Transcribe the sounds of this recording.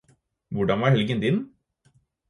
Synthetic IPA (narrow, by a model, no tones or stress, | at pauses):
ʋʊɖɑnʋæːɾhɛlɡənd̪ɪn